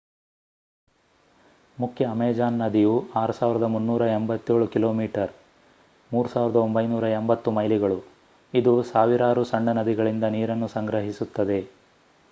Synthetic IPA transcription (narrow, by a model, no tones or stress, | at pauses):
mukʰjɐːmɛːd͡ʒaːnːɐd̪ijuaːɾusaːʋiɾɐd̪ɐmunːuːɾɐembɐt̪ːe̞ːɭukilo̞ːmiːʈɐɾ | muːɾusaːʋiɾɐd̪ɐo̞mbɐjnuːɾɐembɐt̪ːumɐjliɡɐɭu | id̪usaːʋiɾaːɾusɐɳːɐnɐd̪iɡɐɭind̪ɐniːɾɐnːusɐŋɡɾɐɦisut̪ːɐd̪e̞